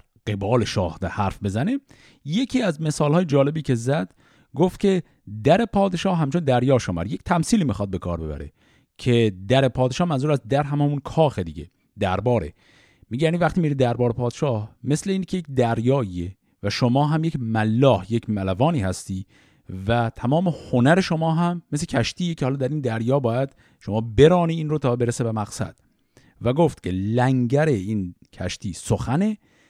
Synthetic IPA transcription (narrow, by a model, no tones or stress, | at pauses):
ɡ̥e̞bɒːleʃɒːhd̪ehæɾfbe̞zæne | je̞cʰiːæzme̞sɒːlhɒːjed͡ʒɒːle̞biːcʰe̞zæd̪̥ | ɡoft̪̚cʰʲe̞ | d̪æɾe̞pʰɒːd̪eʃɒːhɦæmt͡ʃʰond̪æɾjɒːʃomæ̰ɾje̞ct̪ʰæmsiːliːmixɒd̪̚be̞kʰɒ̰ːɾbe̞bæ̰ɾe̞̰ | cʰe̞d̪æɾe̞pʰɒːd̪eʃɒːhmænzuːɾæst̪̚d̪æɾɦæmæmunkʰɒːxed̪iɡe | d̪æɾbɒːɾḛ | miɡɟejæːnivæχt̪iːmiɾid̪d̪æɾbɒːɾepʰɒːd̪eʃɒːhme̞sleiːncʰejekd̪æɾjɒːiːe | væʃomɒːɦæmjecmælːɒːhje̞cʰmælævɒːniːhæst̪iː | væt̪ʰæmɒːme̞honæɾe̞ʃo̞mɒːɦæmːes̬lecʰæʃt̪iːecʰehɒːlɒːd̪æɾiːnd̪æɾjɒːbɒːjæd̪̥ | ʃomɒːbe̞ɾɒːniːiːnɾot̪ʰɒːbe̞ɾesebemæɣ̥sæ̰d̪̥ | væɡoft̪cʰe̞læŋɡæɾeiːncʰæʃt̪ʰiːsoxæne̞